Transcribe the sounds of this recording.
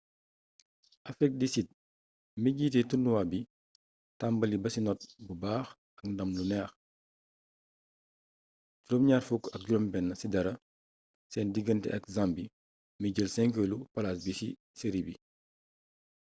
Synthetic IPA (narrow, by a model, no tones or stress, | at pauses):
ʔɐfɾik̚disit̚ | miɟiːtɛtunduwabi | tambɐlibɐsinɔt̚bubaːx | ɐk̚ndɐmlunɛːx | ɟuɾɔmɲaːrfukɐk̚ɟuɾɔmbɛnːɐsidɐɾɐ | sɛndiɡəntɛ̰ʔɐkzambi | miɟəlsɛŋkəlupɐlas̬bisi | seɾibi